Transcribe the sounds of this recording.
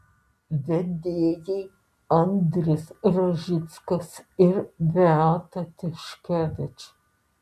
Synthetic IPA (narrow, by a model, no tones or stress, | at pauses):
ʋʲɛd̪ʲeːjɛj | ɐnd̪ɾʲɪsɾɐʒʲɪt̪skɐsɪɾbʲɛaːt̪ɐt̪ʲɪʃkʲɛʋʲɪt͡ʃ